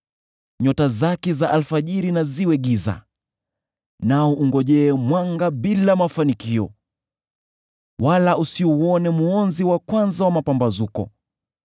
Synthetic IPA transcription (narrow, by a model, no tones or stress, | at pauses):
ɲɔtazakɛzaʔalfaʄiɾinaziwɛɠiza̰ | naɔʔuŋɡɔʄɛːmwaŋɡaɓilamafanikiɔ | walausiuɔnɛmuɔnziwakwanzawamapambazukɔ̰